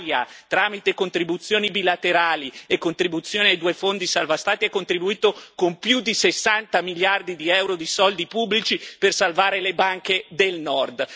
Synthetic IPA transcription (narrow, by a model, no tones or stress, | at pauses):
ja̰t̪ɾaːmit̪ekont̪ɾibut̪sːjoːnibilat̪eɾaːliekːont̪ɾibut̪sːjoːneajd̪uːefond̪isalvast̪aːt̪iɛkːont̪ɾibuiːt̪okompjud̪isesːant̪amiljard̪id̪iɛwɾod̪isɔld̪ipubːlit͡ʃipersalvaːɾelebaŋked̪elnɔrd̪